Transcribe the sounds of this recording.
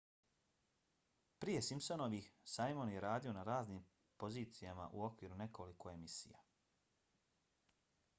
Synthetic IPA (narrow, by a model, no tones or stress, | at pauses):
pɾije̞simso̞noʋisajmonje̞ɾaːd̪io̞naɾaːzniːm | po̞ziːt̪sijama̰ʔuo̞kʋiːɾune̞ko̞liko̞e̞misḭja̰